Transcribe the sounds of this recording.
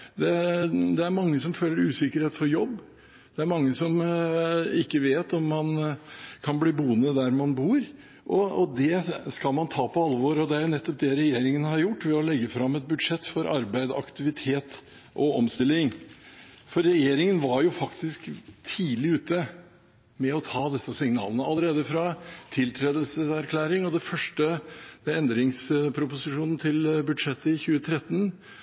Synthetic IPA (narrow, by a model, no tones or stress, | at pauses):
d̪ɛd̪ɛæɾmɑŋːəsɔmføːləɾʉːsɪkəɾheːt̪fɔɾjɔbː | d̪̥ɛæɾmɑŋːəsɔm | ɪkːəʋeːt̪ɔmːɑnkʰɑnbliːbuːnəd̪æɾmɑnbuːɾ | ʔɔɔd̪ɛskɑlmɑnt̪ʰɑːpʰɔɑlʋoɾɔd̪ɛæɾjʊnɛt̪ːɔp̚d̪ɛɾɛjeːɾɪŋənhɑɾjʊʈːʋɛɔlɛɡːəfɾɑmːɛt̪̚bʉd̪ʂɛt̪ːfɔɾɑɾbæɪd̪ɑ̰kt̪ɪʋɪt̪ʰeːt̪ | ʔɔɔmst̪ɪlːɪŋ | fɔɾːɛjeːɾɪŋənʋɑɾjʊfɑkt̪ɪskt̪ʰiːlɪʉːt̪ə | mɛɔt̪ʰɑːd̪ɛsəsɪŋnɑ̰ːlənəɑlːəɾeːd̪əfɾɑt̪ʰɪlt̪ʰɾeːd̪əlsəsæɾkʰlæːɾɪŋɔd̪ɛfœʂʈəd̪ɛɛnd̪ɾɪŋspʰɾʊpʊsɪʂuːnn̩t̪ʰɪlbʉd̪ʂɛt̪ːəɪçʉːət̪ʰɾɛt̪ːən